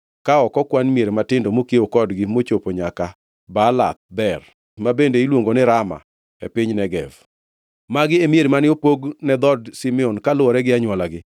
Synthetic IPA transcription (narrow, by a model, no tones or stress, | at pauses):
kaɔkɔkwanmjeɾematɪndomokeokɔdɡɪmot͡ʃopoɲaka | bala̰t̪̚bɛr | mabendeilwoŋɡonɪɾama̰ | ḛpɪɲnɛɡɛv | maɡɪemjeɾemanɪopoɡnɛd̪ɔdsimɛɔnkalʊɔɾɛɡɪaɲwɔlaɡɪ